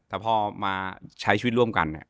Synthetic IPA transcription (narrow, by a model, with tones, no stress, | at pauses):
t̪ɛː˨˩pʰɔː˧˩maː˧t͡ɕʰa˦˥jʰiː˧˦t̪̚ɾu˥˩əmka̰˧nːi˧˩